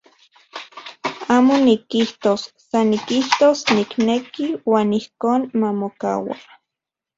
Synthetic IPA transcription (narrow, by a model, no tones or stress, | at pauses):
aːmonikiht̪osːanikiht̪osniknekiwaːnihkoːnmamoka̰wa̰